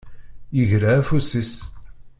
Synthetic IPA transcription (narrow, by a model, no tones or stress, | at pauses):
jəʝɾaːfusis